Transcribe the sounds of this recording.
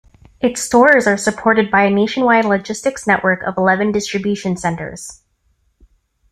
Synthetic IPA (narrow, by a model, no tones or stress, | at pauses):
ʔɨtstɔɹzə˞sɨpʰɔɹɾɨd̚baɪɨneɪʃɨ̃nwaɪdˡlɨd͡ʒɪstɨksnɛʔwə˞kʰʌ̰vəlɛvɨ̃ndɪstɹ̥ɨbjʉʃɨ̃nsɛ̃ntə̰˞z̥